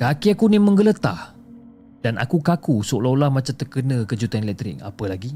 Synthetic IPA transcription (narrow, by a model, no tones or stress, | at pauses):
kakiakunimə̃ŋɡələt̪a̰h | d̥anʔa̰kukakusoʔlolahmãt͡ʃamt̪əkənə̃kəd͡ʒut̪anelɛk̚t̪ɾɪ̰k̚a̰pəlaɡi